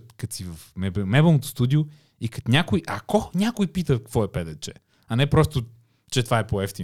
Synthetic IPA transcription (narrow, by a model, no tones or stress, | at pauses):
t̪kɐt̪sivɐfmɛbmɛbəlˠnot̪ʊ̥st̪ud̪iʊ | ikɐt̪nʲakʊjʔɐkɔnʲakʊjpit̪əkkvɔɛpɛd̪ɛt͡ʃɛ̰ | ɐnɛpɾɔst̪ʊ | t͡ʃɛt̪ovaɛpoɛft̪i